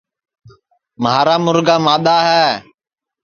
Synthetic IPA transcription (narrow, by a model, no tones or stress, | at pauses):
mɦaːɾaːmʊɾɡaːmaːɗ̪aːɦɛː